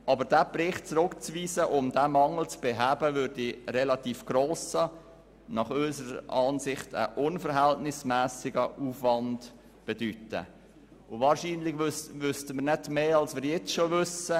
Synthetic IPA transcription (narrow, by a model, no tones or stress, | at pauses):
ʔɑbəɾd̥æːbrɪχt̚t͡sɾʊkt͡sviːsəʔʊmdæːmɑŋl̩t͡sb̥eɦæːbəvʏɾdiɾɛlɑtiːfɡ̥roːsə | nɑχœʏsəɾɑːnsɪχtə̰ʔʊnfəɾɦæltnɪsmæːsɪɡəʔuːfvɑnd | b̥edytə̰ | ʊvɑːɾʃiːnlɪɡvøsʋʏstəməɾnɛtmeːɑlsʋɪːɾjɛt͡sʃovʏsə